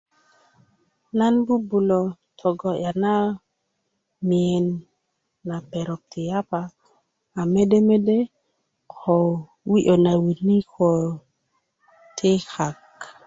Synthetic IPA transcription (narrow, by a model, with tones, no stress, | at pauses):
na˦nbu˦bu˨lo˨ | t̪ʰo˨ɡo˨ja˨na˦ | mi˨e˨nː | a˨pe˨ɾo˨p̚t̪ʰi˨ja˦paː˨ | me˦de˦me˦de˦ | kʰo˨ | wi˦ʔo˨na˨wi˨ni˦kʰo˨ | tʰe˦xa˨k